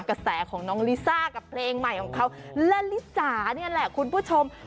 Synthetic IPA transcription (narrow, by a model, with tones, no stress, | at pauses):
ka˧sɛː˩˦kʰɔː˩˦ŋnɔː˦˥ŋli˦˥saː˥˩ka˨˩pʰleː˧ŋma˨˩jkʰɔː˩˦ŋkʰa˦˥wlɛ˦˥li˦˥t͡ɕaː˨˩˦ni˥ʔnlɛ˨˩kʰu˧npʰuː˥˩t͡ɕʰo˧m